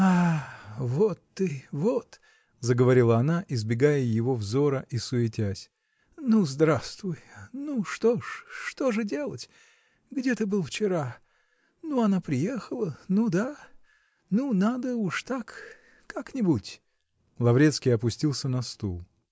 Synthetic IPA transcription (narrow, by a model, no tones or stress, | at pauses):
a | vot̪ːɨvot̪ | zəɡəvɐɾʲilˠəɐnaʔɪzbʲɪɡajəjɪvo̞vzo̞ɾəʔisʊɪtʲæsʲ | nuzd̪ɾast̪vʊjnuʂt̪oʂːt̪o̞ʐɨdʲe̞lˠətʲ | ɡdʲet̪əbɨlˠft͡ɕɪɾa | nuɐnapɾʲɪjexəlˠənud̪a | nunad̪əuʂt̪akː | aknʲɪbutʲ | lˠɐvɾʲe̞t̪skʲɪjɐpʊsʲtʲilˠsʲənɐst̪ulˠ